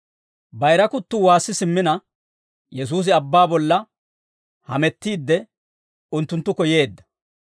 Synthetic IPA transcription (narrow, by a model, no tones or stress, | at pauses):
bɐjɾɐkʊt̪ːʊwaːsːɪsɪmːɪnɐ | jɛs̬uːs̬ɪɐbːaːbɔlːɐ | hɐ̰mɛt̪ːiːd̪ːɛ | ʊnt̪ːʊnt̪ːʊkɔje̞ːd̪ːɐ̥